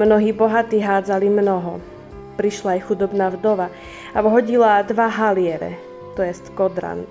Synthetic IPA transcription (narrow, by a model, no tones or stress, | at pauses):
mnɔɦiːbɔɦat̪iːɦaːd͡zalimnɔɦɔ | pɾiʃlaːjxud̪ɔbnaːvd̪ɔʋa | aʋɦɔɟilad̪ʋaɦalɪɛɾɛ̰ | t̪ɔjɛst̪kɔd̪ɾa̰n